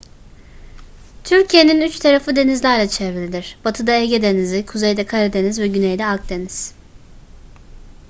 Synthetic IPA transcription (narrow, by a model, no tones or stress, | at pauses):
t̪ʰyɾcʰijeninyt͡ʃt̪ʰaɾafɯd̪e̞nizlʲæɾlʲɛt͡ʃʰevɾelʲid̪iɾ̥bat̪ʰɯd̪aeɟʲɛd̪enizikʰuzejd̪ɛkʰaɾad̪enizvɛɟynejd̪ɛak̚d̪e̞niz̥